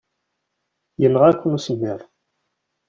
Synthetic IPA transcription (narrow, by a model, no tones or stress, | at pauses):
jənːəʁækʷːənusəmːəɾˤ